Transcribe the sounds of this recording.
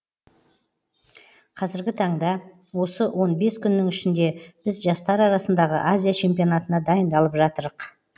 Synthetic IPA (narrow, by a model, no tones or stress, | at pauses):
qʰɑzɪɾɡʲɪt̪ʰɑɴd̪ɑ | wo̞səwʔo̞nbe̞skʲʰʏnːɪŋʏʃɪnd̪e̞b̥ɪzʒɑst̪ɑɾɑɾɑsənd̪ɑʁəʔazʲijat͡ʃʰe̞mpijo̞nat̪ənɑd̪ɑjənd̪ɑlˠəpʒɑt̪əɾəq